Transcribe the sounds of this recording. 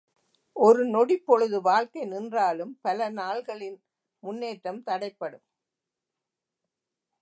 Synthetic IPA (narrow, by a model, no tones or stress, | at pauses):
ʔɔɾɯnɔɽɪpːɔɻɯðɯʋaːɻkɐɪnɪndraːlɯmpɐlɐnaːɭɣɐɭɪn | mʊnːeːʈɾɐmt̪ɐɽɐɪpːɐɽɯm